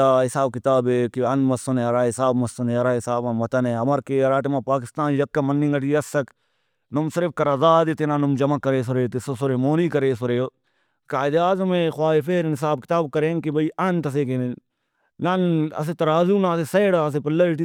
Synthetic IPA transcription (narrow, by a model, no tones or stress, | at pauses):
aːɦɪsaːb̚kɪt̪aːbeːkiɐnmɐsɐneɐɾaːɪsaːbmɐsːɐnẽːɐɾaːɪsaːbãmɐt̪ɐneːɦɐmɐɾkeɐɾaːʈːmãːpaːkɪst̪aːnjɐkːɐmɐnːĩŋɡɐʈiːɐsːɐk | nʊmsɪɾɪfkɐɾɐzaːd̪et̪enanʊmd͡ʒɐmɐkɐɾeːs̬ʊɾeːt̪esosʊɾeːmoːniːkɐɾeːsʊɾeo | kaːɪd̪aːzɐmẽːxwaːifeːɾnɪs̬aːbkɪ̥t̪aːb̚kɐɾẽːŋkibɐiʔɐnt̪ɐs̬eːken | nɐnɐ̰s̬et̪ɐɾaːzuːnãɐseseːɽaɐs̬epɐlːɐiʈi